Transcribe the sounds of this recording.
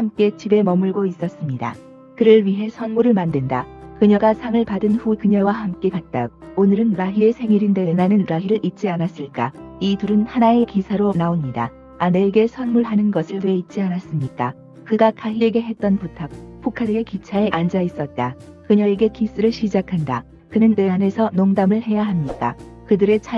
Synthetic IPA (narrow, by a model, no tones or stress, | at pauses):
hamk͈e̞t͡ɕibe̞mʌmɯɭɡois͈ʌs͈ɯmɲida̰ | kɯɾɯɭɥiɦe̞sʰʌnmuɾɯɭmandɯndakɯɲʌɡasʰaŋɯɭpadɯnɸukɯɲʌwahamk͈e̞kat̚t͈aɡ̚onɯɾɯnɾaɦie̞sʰe̞ŋiɾinde̞nanɯnɾaɦiɾɯɭʔit̚t͡ɕ͈ianas͈ɯɭk͈aituɾɯnhanae̞kisʰaɾonaomɲida̰ | ane̞ːɡe̞sʰʌnmuɭɦanɯnɡʌsʰɯɭwe̞it̚t͡ɕ͈ianas͈ɯmɲik͈a | kɯɡakaɦieɡe̞ɦe̞t̚t͈ʌnputʰak̚pʰukʰaɾekit͡ɕʰae̞ʔand͡ʑais͈ʌt̚t͈a | kɯɲʌeɡe̞kis͈ɯɾɯɭɕʰid͡ʑakʰanda | kɯnɯnːe̞ane̞sʰʌnoŋdamɯɭɦe̞jaɦamɲik͈a | kɯdɯɾe̞t͡ɕʰa